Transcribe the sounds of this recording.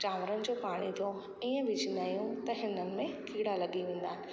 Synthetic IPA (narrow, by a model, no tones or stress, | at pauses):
t͡ɕaːmɾənɪ̆d͡ʑoːpaːɽ̃it̪ʰo | iːə̃bɪd͡ʑinajũt̪ɐɦɪnənɪ̆mẽkiːɽalɐɠiʋẽːn̆d̪aːɦɪnɪ̆